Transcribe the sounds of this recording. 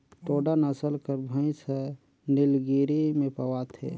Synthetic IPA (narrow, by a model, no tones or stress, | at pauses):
ʈ̪oːɖanəsəlkəɾbʱə̃ĩsə | nilɡiɾimẽpəwat̪ʰḛ